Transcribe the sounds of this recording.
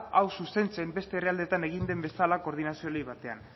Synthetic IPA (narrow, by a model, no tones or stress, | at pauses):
awsuse̞nt͡se̞mbe̞st̪e̞ːriald̪e̞t̪ane̞ɣ̞ind̪e̞mbe̞salako̞ɾðinasio̞liβat̪e̞a̰n